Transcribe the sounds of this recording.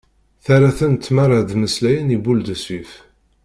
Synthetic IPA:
θæɾaθənt̪ːmaɾˤad̪məslæjənibuld̪əsif

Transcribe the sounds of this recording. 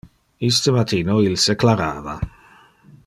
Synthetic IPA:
ist̪əmat̪iːnoilseklaɾa̰ːva̰

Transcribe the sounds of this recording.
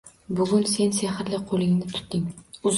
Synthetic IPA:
bʊɡʲʊnse̞nsehɾlɪqʰolˠɪŋnɪt̪ʰʊ̥t̪d̪ɪŋʊz

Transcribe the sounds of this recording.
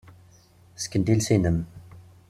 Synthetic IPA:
skənd̪ilsinəm

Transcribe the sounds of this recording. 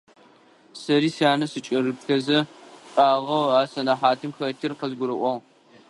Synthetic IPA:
sɐɾiːsiaːnɐsɨt͡ʃʼɐrɨpɬɐzɐpʼaːʁɐwaːsɐnaħaːtʰɨmxɐtʰɪrqɐzɡʷʊɾɨʔʷɔʁ

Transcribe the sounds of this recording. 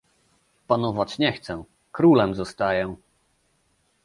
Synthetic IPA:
panɔvat͡ɕɲɛxt̪sɛ | kɾulɛmzɔst̪ajɛ

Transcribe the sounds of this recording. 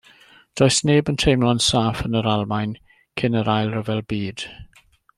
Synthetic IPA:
d̥ɔjsneːbəntʰejmlˠɔnsaːfənəɾalˠmajn | kʰɪnəɾajlˠrəvɛlˠbiːd̥

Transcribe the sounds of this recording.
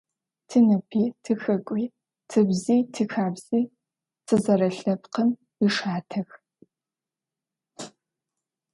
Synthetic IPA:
tʰɨnɐpʰiːtʰɨxɐkʷʼiː | tʰɨbziːtʰɨxaːbz̥iː | tʰɨzɐɾɐɬɐpqəm | iʂaːtʰɐx

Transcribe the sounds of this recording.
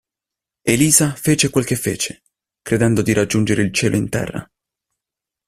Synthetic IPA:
eliːzafeːt͡ʃekwelk̟efːḛːt͡ʃe | kɾed̪ɛnd̪od̪iɾʔad͡ʒːund͡ʒeɾeilt͡ʃɛːlʔoint̪ɛ̰rːa̰

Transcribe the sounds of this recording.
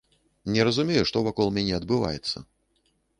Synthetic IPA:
nʲɛɾɐzumʲejuʂt̪ɔvakɔlˠmʲanʲɛɐd̪bɨva̰jɛt̪sːɐ̰

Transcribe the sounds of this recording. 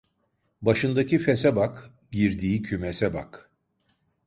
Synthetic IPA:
baʃɯnd̪acifesɛbak | ɟiɾd̪iːcʰymɛsɛba̰k

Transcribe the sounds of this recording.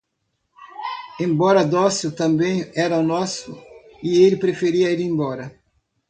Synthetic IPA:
ẽmbɔɾɐd̪ɔsjʊt̪ɐ̃mbẽj̃ɛɾɐunɔsʊ | ɪelɪpɾefeɾiɐilẽmbɔɾɐ

